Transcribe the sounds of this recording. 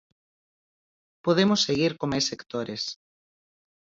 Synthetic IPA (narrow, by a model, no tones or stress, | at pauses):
poðemosːeɣiɾkomajsekt̪oɾes